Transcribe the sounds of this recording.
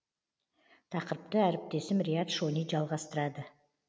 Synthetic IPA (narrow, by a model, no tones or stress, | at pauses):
t̪ʰɑqəɾəp̚t̪əæɾɪp̚t̪e̞sɪmɾʲijat̪ʃoniʒɑlˠʁɑst̪əɾɑd̪ə